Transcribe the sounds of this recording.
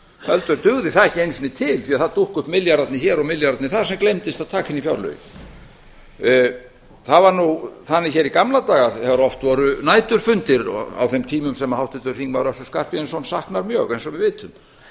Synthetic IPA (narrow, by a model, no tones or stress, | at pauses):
hœlt̪ʏɾt̪ʏɣðɪθaðɛhcɪejnsʏnɪt̪ʰɪlθiːaðθaðt̪uhkʏhp̪mɪljaɾat̪nɪçɛːɾɔɣmɪljaɾat̪nɪθaðsɛmklejmt̪ɪst̪aðt̪ʰaːkɪnifjawɾlœ̰jɪ̰ | θaðvaɾnuθanːɪçɛɾikamlat̪aːɣaðθɛvaɾɔft̪vɔɾʏnaːjt̪ʏɾ̥fʏnt̪ɪɾ̰a̰wθɛmt̪ʰiːmʏmsɛmahawht̪ɪt̪ʏɾ̥fiŋvaɾœsʏskar̥pɪɛnsɔnsahknaɾmjœːɣɛnsɔvɪðvɪːt̪ʏm